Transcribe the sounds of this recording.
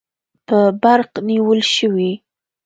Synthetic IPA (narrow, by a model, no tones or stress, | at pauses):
pəbaɾqniwəlʃəwi